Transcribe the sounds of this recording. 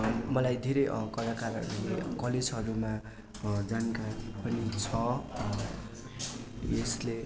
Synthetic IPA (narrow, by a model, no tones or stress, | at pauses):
mʌlajd̪ʱeɾʌjkʌlakarʌ̰ɾulekʌled͡zɦʌɾuma | d͡zankaɾipʌnit͡sʰʌ | esle